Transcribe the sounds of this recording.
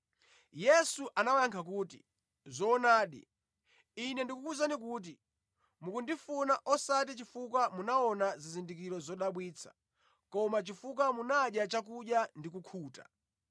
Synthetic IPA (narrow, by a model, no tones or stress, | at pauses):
jɛsuʔanawaŋkʰak̬uːti | zɔːnaːɗḭ | inɛndikukuzanikuːt̬i | mukundifunaʔɔsat̬it͡ʃifuk̬wamunaɔnazizindik̬iɾɔzɔɗaɓwiːt͡sʰḁ̰ | kɔmat͡ʃifuk̬wamunaɗjat͡ʃak̬uɗjandik̬ukʰuːta̰